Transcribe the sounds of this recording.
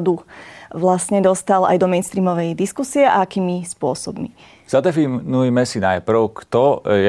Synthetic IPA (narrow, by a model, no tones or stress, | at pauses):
d̪uʋlasɲɛd̪ɔst̪ala̰jd̪ɔmɛjnst̪ɾiːmɔʋɛjd̪iskusiɛʔa̰akiːmispʊɔsɔ̰bmi | z̥ad̪ɛfinujmɛsinajpr̩ʊkt̪ɔjɛ